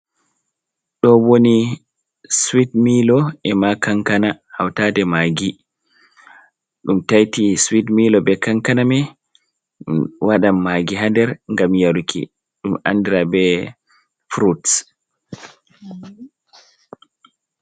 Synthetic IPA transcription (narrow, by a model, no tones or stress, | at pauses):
ɗɔwoni | swidmilɔɛmakaŋkanahawtadɛmaɡi | ɗumtajtiswidmilɔbɛkaŋkanamɛ | waɗamːaɡiɦandɛɾŋɡamjaɾukʰḭ | ɗuma̰ndiɾabɛ | fɾuts